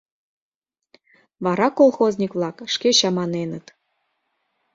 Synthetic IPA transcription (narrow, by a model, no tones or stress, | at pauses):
βɑɾɑkolˠxozʲnʲikβlˠɑkʃkeɕɑmɑnenət̪